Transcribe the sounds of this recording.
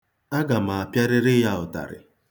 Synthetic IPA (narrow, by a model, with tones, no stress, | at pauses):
a˦ɡa˨ma˨a˨pja˦ɾɪ˦ɾɪ˦ja˦ʊ˨ta̰˨ɾɪ̰˨